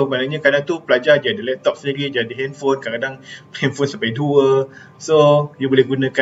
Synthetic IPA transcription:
manaŋɲakadaŋt̪upəlad͡ʒad͡ʒaadilɛp̚t̪ɔp̚səndiɾid͡ʒadiɦɛnfonkakadaŋpɛnfonsampajduə | sojubolɛhɦɡunãka

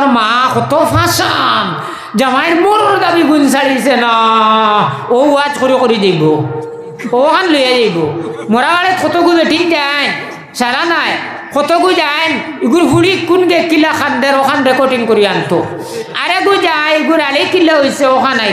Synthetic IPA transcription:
ɾmakɔt̪ɔpʰasan | d͡ʒamajɾmoɾɔɾd̪abiɡuɲs̬aɭisena | ouat͡ʃkoɾikɔɾid͡ʒajbɔ | okanlujad͡ʒajbɔmɔɾabaɭɛt̪kʰɔt̪ɔɡubeʈind͡ʒajn | saɾanaj | kɔt̪ɔɡud͡ʒajn | iɡuɾbuɽikːunɡekːilakand̪eɾɔkʰanɾɛkɔɾʈiŋkɔɾijant̪ɔ | aɾeɡud͡ʒajiɡuɾalekːilːaojseokʰana

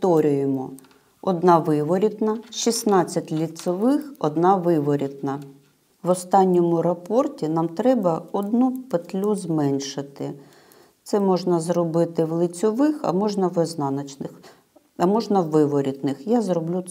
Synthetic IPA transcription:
t̪ɔɾʲijɪmɔ | ɔd̪nɑʋɪʋɔɾʲit̪nɐʃisnɑt͡sʲːɐtʲlʲit̪sɔʋɪxɔd̪nɑʋɪʋɔɾʲid̪nɐ | ʋɔst̪ɑnʲːɔmʊɾɐpɔrtʲinɑmt̪ɾɛbɐɔd̪nupet̪lʲuzmɛnʲʃɪt̪ɪ | t̪sɛmɔʒnɐzrɔbɪt̪ɪʋlˠɪt͡sʲɔʋɪxɐ̰mɔʒnɐʋɪznɑnɐt͡ʃnɪx | ɐmɔʒnɐʋɪʋɔɾʲit̪nɪxjazɾɔblʲu

